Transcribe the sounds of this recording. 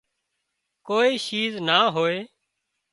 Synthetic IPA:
koːiːʃiːznaːɦoːeː

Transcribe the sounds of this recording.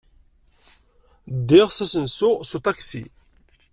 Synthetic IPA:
d̪ɪʁsæsənsʊsut̪ˤɑksḭ

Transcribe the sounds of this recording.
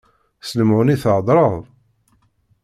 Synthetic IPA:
snəmʕʊniθəʕd̪ˤɾˤəðˤ

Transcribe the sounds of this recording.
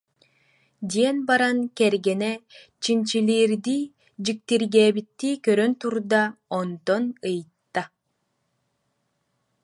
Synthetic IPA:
d̪iɛnbaɾankɛɾɡɛnɛ | t͡ɕint͡ɕilʲiːɾd̪iː | d͡ʑik̚t̪iɾɡɛːbit̪ːiːkœɾœnt̪uɾd̪aɔnd̪ɔnɯjt̪ːa

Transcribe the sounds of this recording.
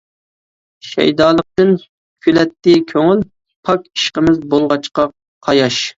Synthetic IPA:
ʃɛ̰jd̪ɑːlˠəq̚t̪ɨn | kʲʰylɛt̪ːɪkʲʰøŋyl | pʰɑkʲi̥ʃqəmɪzbolˠʁɑt͡ʃqɑ | qʰɑjɑʃ

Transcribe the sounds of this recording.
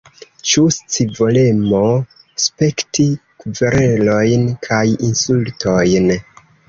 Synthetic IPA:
t͡ʃust͡sivole̞mo̞ | spe̞ktikuveɾe̞lo̞jnkʰajinsultʰo̞jn

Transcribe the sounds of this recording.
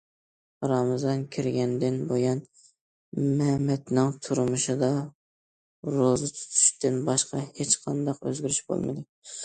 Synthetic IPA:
ɾɑmzɑnkʲʰiɾɡʲɛnd̪ɪnbojɑn | mɛmɛt̪nɪŋt̪ʰuɾmɨʃɨd̪ɑ | ɾozɨt̪ʰu̥t̪ʰy̥ʃt̪ɪnbɑʃqɑhet͡ʃqʰɑnd̪ɑqø̰zɡʲyɾyʃbo̰lˠmɨ̰d̪ɪ

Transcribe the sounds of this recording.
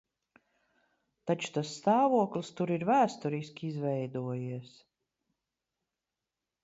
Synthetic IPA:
t̪at͡ʃu̥t̪asːt̪aːvuɔklist̪uɾiɾvæːst̪ɔɾiskʲizvɛjd̪uɔjiɛs

